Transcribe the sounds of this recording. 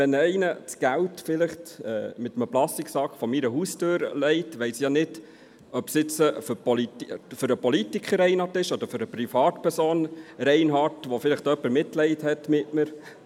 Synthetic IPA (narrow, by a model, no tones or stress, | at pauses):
ʋɛnɛɪnət͡sɡ̥æltfɪlɪχtɛ̰ːmɪt̪əməplɑstiksɑkχfɔmiɾəɦuːstøːɾlɛɪtʋɛɪsjɑnɪd | œpsɪt͡səfpɔlitføɾəpɔlitikχəɾɛɪnhɑtɪʃɔd̪əɾfʏɾəpɾifɑːtpʰɛɾsoːnɾɛɪnɦɑtʋɔfɪlɪχtœpːəɾmɪtlɛɪthɛtmɪtnəɾ